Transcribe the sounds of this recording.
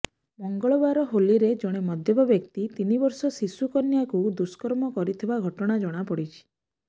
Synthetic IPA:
mɔŋɡɔɭɔbaɾɔɦoliɾed͡ʒɔɽ̃emɔd̪ʱjɔbabjɔkt̪it̪inibɔɾsɔsisukɔnjakud̪uskɔɾmɔkɔɾit̪ʰibaɡʱɔʈɔɽ̃ad͡ʒɔɽ̃apɔɽit͡ʃʰi̥

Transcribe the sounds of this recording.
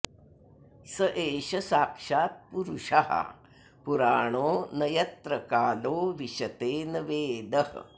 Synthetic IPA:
sɐʔeːʃɐsaːkʂaːt̪̚puɾuʂaɦɐ̰ | puɾaːɳ̃oːnɐjɐt̪ɾɐkaːloːʋiʃɐt̪eːnɐʋeːd̪ɐɦ

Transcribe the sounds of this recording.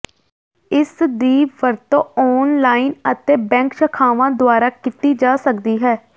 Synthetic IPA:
ɪsd̪iːʋəɾt̪õːɔːnlaːinət̪eːbɛ̃ːŋkʃəkʰaːʋãːd̪ʊaːɾaːkɪt̪iːd͡ʒaːsəkd̪iːɦɛː

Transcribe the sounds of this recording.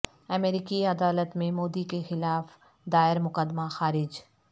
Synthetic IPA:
ɐmeːɾiːkiɐd̪aːlət̪mẽmoːd̪ikexɪlaːf | d̪aːɪɾmʊkəd̪ːmaxaːɾɪd͡ʒ

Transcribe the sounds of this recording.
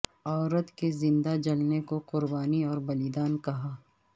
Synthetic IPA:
ɔːɾət̪kezɪ̃nd̪ad͡ʒɐlnekoqʊɾbaːniɔːɾbɐlid̪aːnkɐɦaː

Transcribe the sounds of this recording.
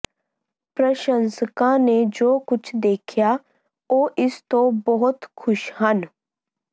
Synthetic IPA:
pɾəʃə̃nsəkãned͡ʒoːkʊt͡ʃʰd̪eːkʰja | oːʔɪst̪õbəɦʊt̪kʰʊʃhən

